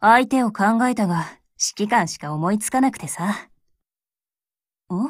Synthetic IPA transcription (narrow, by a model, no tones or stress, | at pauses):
ait̪e̞o̞kãŋɡae̞t̪aɡa | ɕi̥kʲikãɰ̃ɕi̥kao̞mo̞it͡sɨ̥kanakɯ̟̥t̪e̞sa | o